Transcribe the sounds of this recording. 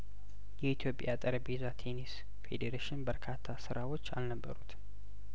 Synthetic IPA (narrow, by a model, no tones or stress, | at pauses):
jɛit̪ʰjo̞pʼjat̪ʼəɾəbezat̪ʰenis | fe̞̰d̪eɾaʃɪnbəɾkʰat̪ʰːasɨɾʔawo̞t͡ʃːa̰lnəbːə̰ɾut̪